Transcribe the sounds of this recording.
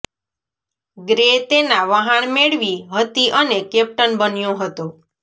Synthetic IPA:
ɡɾet̪enaʋaɦəɳmeɭʋiɦət̪iʔənekɛp̚ʈənbənjõɦət̪o

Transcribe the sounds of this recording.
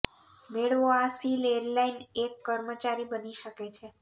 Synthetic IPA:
meɭoasileɾlainekːəɾmət͡ʃaɾibəniʃəket͡ʃʰe

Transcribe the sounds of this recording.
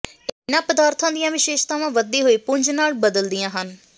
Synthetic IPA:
kːnãːpəd̪aːɾt̪ʰãːd̪ijãːʋɪʃeːʃt̪aːʋãːʋəd̪eːɦoːiːpʊɲd͡ʒnaːlbəd̪əld̪ijãːɦən

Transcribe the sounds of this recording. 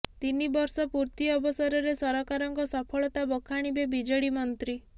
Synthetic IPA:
t̪inibɔɾsɔpuɾt̪iɔbɔsɔɾɔɾesɔɾɔkaɾɔŋkɔsɔpʰɔɭɔt̪abɔkʰaɽ̃ibebid͡ʒɔɽimɔnt̪ɾi

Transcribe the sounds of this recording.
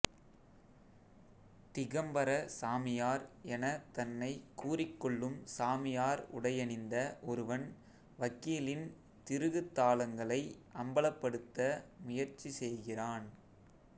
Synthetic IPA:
t̪ɪɣɐmbɐɾɐsaːmɪjaːɾɛnɐt̪ɐnːɐɪkuːrɪkːɔɭːɯmsaːmɪjaːɾʊ̰ɽɐjɐnɪnd̪ɐʔɔɾɯʋɐn | ʋɐkːiːlɪn | t̪ɪɾɯɣɯt̪ːaːlɐŋɡɐɭɐɪʔɐmbɐɭɐpːɐɽɯt̪ːɐmʊjɐɾt͡ʃisɛjɣɪraːn

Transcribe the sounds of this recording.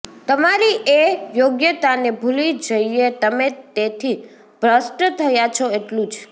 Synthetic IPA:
t̪əmaɾiʔejoɡjət̪anebʱulid͡ʒəiet̪əmet̪et̪ʰi | bʱɾəsʈt̪ʰəjat͡ʃʰɔeʈlũd͡ʒ

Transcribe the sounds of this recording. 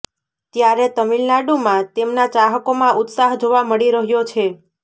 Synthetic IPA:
t̪jaɾet̪əmilnaɖumãt̪emnat͡ʃaɦəkomãʔut̪saɦd͡ʒoʋaməɽiɾəɦjot͡ʃʰe

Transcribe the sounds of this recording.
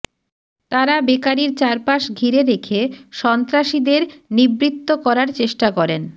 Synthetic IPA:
t̪aɾabekaɾiɾt͡ɕaɾpaʃɡʱiɾeɾekʰeʃɔnt̪ɾaʃid̪eɾnibɾit̪ːokɔɾaɾt͡ɕeʃʈakɔɾen

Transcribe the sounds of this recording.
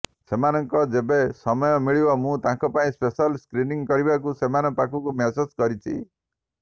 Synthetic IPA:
semanɔŋkɔd͡ʒebesɔmɔjɔmiɭibɔmũt̪ãkɔpaĩspesɔlskɾiniŋkɔɾibak̬usemanɔpakʰukumesuskɔɾit͡ʃʰḭ

